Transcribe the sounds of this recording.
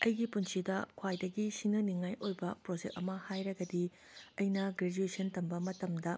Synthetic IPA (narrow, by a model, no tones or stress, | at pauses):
ɐjɡipunsidɐkʰwajdɐɡisinɐniŋajʔojbɐpɾod͡ʒek̚ɐmɐhajɾɐɡɐdi | ɐjnɐɡɾed͡ʒuesʰɐntɐmbɐmɐtɐmdɐ